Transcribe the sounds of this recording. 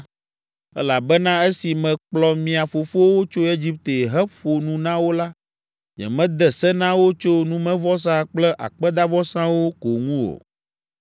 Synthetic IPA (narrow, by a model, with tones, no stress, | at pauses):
ɛ̰˦la˨bɛ˦nã˦e˦si˨mɛ̃˨k͡plɔ˨mĩ˨a˨fo˨fo˦wo˦t͡ʃo˦e˦d͡ʑi˦p̚t̪e˨ɦɛ˦ɸo˨nũ˦nã˦wo˦la˦ | ɲɛ̰˨mɛ̃˦d̪ɛ˨sɛ˦nã˦wo˦t͡ʃo˦nũ˦mɛ̃˦vɔ˦s̬ã˦k͡plɛ˦ʔa̰˨k͡pɛ˦d̪a˦vɔ˦sã˦wo˦ko˨ŋũ˦wo̰˨